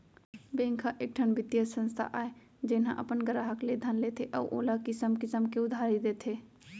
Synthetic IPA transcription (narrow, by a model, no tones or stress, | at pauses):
bẽːŋkʰaʔeːk̚ʈʰənbʱɪt̪jəsə̃nst̪ʰa̰ʔaːe | d͡ʒeːnɦã̰ʔə̰pənɡəɾaɦəkled̪ʱənleːt̪ʰeʔɔːʔo̰ːlakɪsəmkɪsəmkeʊd̪ʱaːɾid̪et̪ʰeː